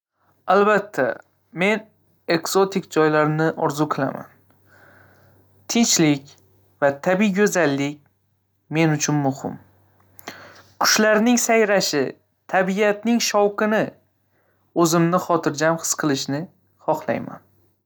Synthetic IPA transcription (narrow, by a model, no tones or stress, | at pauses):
albat̪ʰːa̰ | me̞n | e̞kso̞t̪ɪkd͡ʒɒjlaɾnɪʔɒɾzuqʰɨlˠa̰ma̰n | t̪ʰɪnt͡ʃlɪkʲ | vat̪ʰabiɡʲɵzalːɪk̚ʲ | me̞nʊt͡ʃʰʊnmʊhɪ̰m | kʰʊ̥ʃlaɾnɪŋsajɾaʃɪ | t̪ʰabijat̪̚nɪŋʃɒwqɨnɪ | ɵzɪmnɪχɒt̪ʰɪɾd͡ʒamχɨ̥sqʰɨlˠɪʃnɪ | χɒχlˠa̰jma̰n